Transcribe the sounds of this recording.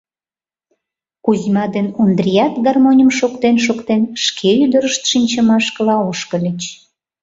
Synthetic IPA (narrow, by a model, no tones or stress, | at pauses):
kuzʲmɑd̪enund̪rʲijɑt̪ɡɑrmonʲəmʃokt̪enʃokt̪enʃkʰeyd̪əɾəʃt̪ʃinʲt͡ɕəmɑʃkəlɑoʃkə̆lʲət͡ɕ